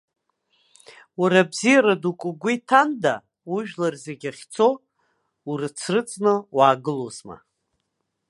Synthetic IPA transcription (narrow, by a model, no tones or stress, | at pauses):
waɾabzijaɾadukʷʼʊɡʷitʰanda | uʒᶣlarze̞ɡʲaχʲt͡sʰo̞ | urɨt͡sʰrɨt͡sʼnɨwaːɡɨlozma̰